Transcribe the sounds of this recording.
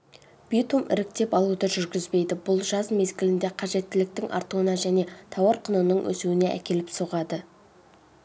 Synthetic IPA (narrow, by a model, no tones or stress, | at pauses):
b̥it̪umʔɪ̰ɾɪk̚t̪e̞pɑlˠud̪əʒʏɾɡʲɪzbe̞jd̪ɪbʊlˠʒɑzme̞zɡʲɪlɪnd̪e̞qʰɑʒe̞t̪ːɪlɪk̚t̪ɪŋʔɑ̰ɾt̪uənɑʒæne̞t̪ʰɑwɑɾqʰənənəɴwʔɵ̰suwɪne̞ʔæ̰kʲe̞lɪpsoʁɑd̪ə